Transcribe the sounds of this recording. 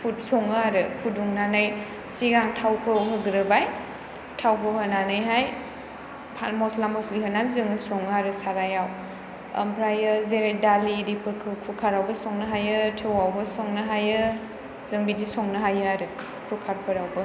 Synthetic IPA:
pʰut̚sɔŋɯaɾɯpʰuduŋnanɯj | siɡaŋtʰawpʰɯɦɯɡɾɯbaj | tʰawpʰəɦənanɯjɦaj | pʰamɔslamɔsliɦɯnaɾzɯŋɯsɔŋɯaɾɯsaɾajaw | ɐ̰mpʰɾajɯzeɾejdaliɾipʰuɾkʰkʰukʰaɾawbɐsɔŋnɐɦajɯtʰɯwawbɐsɔŋnɐɦajɯ | zɯŋbidisɔŋnɐɦajɯaɾɯ | kʰukʰaɾpʰɯɾawbɐ

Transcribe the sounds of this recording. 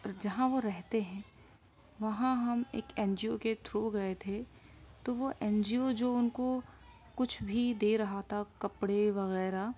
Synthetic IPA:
d͡ʒɐɦãʋoɾɛɦt̪eɦɛ̃ː | ʋɐɦãɦɐmḛːkɛːnd͡ʒioket̪ʰɾoɡɐet̪ʰe | t̪oʋoʔɛ̃ːnd͡ʒiod͡ʒoːʊnko | kʊt͡ʃʰbʱid̪eːɾɐɦat̪ʰakɐpɽeʋɐɣɛːɾa

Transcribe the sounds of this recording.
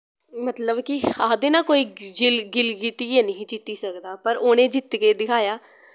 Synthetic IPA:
mət̪ləbkɪaːd̪eːnaːkoːiːd͡ʒɪlɡɪlɡiːt̪iːeːnəɦĩːt͡ʃɪt̪iːsəkd̪aːpəɾoːnẽːd͡ʒɪt̪ːkeːd̪ɪkʰaːjaː

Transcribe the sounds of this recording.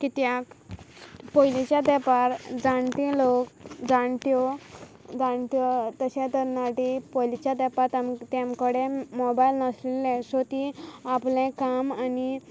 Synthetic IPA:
kit̪jak | pɔjlit͡ɕjad̪ɛpaɾd͡zaɳt̪ĩlokd͡zaɳt̪jɔ | d͡zaɳt̪jɔt̪əɕat̪əɾnaʈipɔjlit͡ɕjad̪ɛpat̪amt̪jãmkəɽẽmɔbajlnəslilːɛ̃sot̪iaplẽkamani

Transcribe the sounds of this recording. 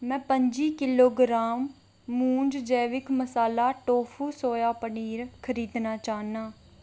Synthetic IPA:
mɛ̃ːpəɲd͡ʒiːkɪloːɡɾaːmː | ũːɲd͡ʒd͡ʒɛːʋɪkməsaːlaːʈoːpʰuːsoːjaːpəniːɾkʰəɾiːd̪naːt͡ʃaːnaː

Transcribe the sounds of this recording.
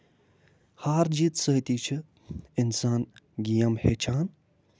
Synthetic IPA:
haːɾd͡ʒit̪səːt̪iːt͡ʃʰɨ | insaːnɡijɐmhet͡ʃʰaːn

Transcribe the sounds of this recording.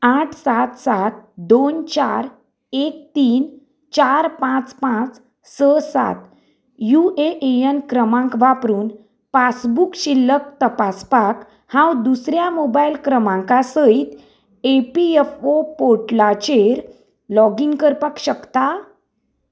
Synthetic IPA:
aʈʰsat̪sat̪d̪ont͡ɕaɾ | ek̚t̪iːn | t͡ɕaɾpãt͡spãt͡s | səsa̰t̪ | jueʔejənkɾəmãŋkʋapɾuːn | fasbukɕilːək̚t̪əpaspak | hãwd̪usɾjamobailkɾəmãŋkasəit̪ | epiefopoʈlat͡ɕeɾ | lɔɡiŋɡkəɾpakɕəkt̪a

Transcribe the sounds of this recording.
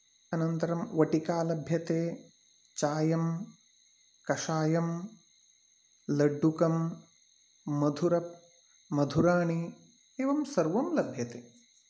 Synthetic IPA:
ɐnɐnt̪ɐɾɐmʋɐʈikaːlɐbʱjɐt̪eː | t͡ʃaːjɐm | kɐʂaːjɐm | lɐɖːukɐm | ɐd̪ʱuɾɐp̚ | mɐd̪ʱuɾaːɳi | eːʋɐmsɐɾʋɐmlɐbʱjɐt̪eː

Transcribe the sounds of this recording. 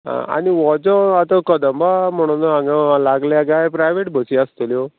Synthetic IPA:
ɦã̰a̰niʋɔd͡zɔ̃at̪ɔkəd̪əmbamɔɽ̃ɔ̃nɔãɡalaɡljaɡajpɾajʋeʈbʱət͡ɕiast̪əljɔ

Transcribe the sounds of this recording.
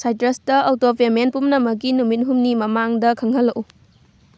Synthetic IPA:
sajtɾɐstɐɐwtopʰemenpumnɐmɐk̬ːinumit̚ɦumnimɐmaŋdɐkʰɐŋɦɐlːɐkʔu

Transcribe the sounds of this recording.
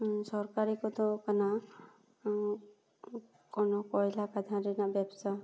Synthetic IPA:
sɔɾkaɾikɔt̪ɔkana | kɔnɔkɔjlakad̪ʱãɾinabjabsa

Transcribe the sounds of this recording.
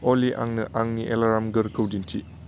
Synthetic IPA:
oliʔa̰ŋnɐʔaŋniʔelaɾamɡɐɾkʰɐwdintʰi

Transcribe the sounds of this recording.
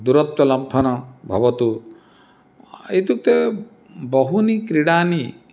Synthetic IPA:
d̪uɾɔt̪wɔlɐbʱːɔnɔbʱɔbɔt̪u | et̪uk̚t̪e | bɔɦunikɾiɽani

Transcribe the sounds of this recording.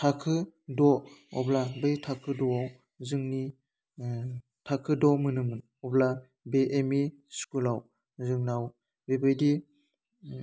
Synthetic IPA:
tʰakʰɯdɔɔ̰blabejtʰakʰɯdɔaw | zɯŋni | tʰakʰɯdɔmɯnɯmɯn | ɔbla | beʔemi | skulaw | zɯŋnaw | bebɯjdi

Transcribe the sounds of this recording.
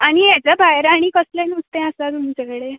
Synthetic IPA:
aɽ̃ijat͡ɕabʱajɾaɽ̃ikəslẽnust̪ɛ̃əsat̪umit͡ɕekəɽe

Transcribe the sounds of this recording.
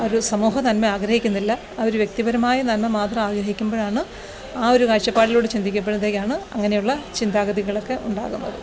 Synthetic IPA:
oɾusɐmuːɦɐt̪ɐnmeaːɡɾɐhikʲːunːilːɐ | oɾuʋjk̚t̪ibɐɾɐmaːjɐt̪ɐnmemaːt̪rɐmaːɡɾɐɦikʲːumbo̞ːɻaːɳɨ | aːo̞ɾukaːʂɐpːaːɽilo̞ːɽɨt͡ɕind̪ik̬ʲːɐp̬ːeɽunɐðeːkʲːaːɳɨɐ̰ŋːɐne̞juɭːɐt͡ɕind̪aːɡɐðiɣɐɭo̞kːe̞ʔuɳɖa̰ːɣunːɐ̰ðɨ

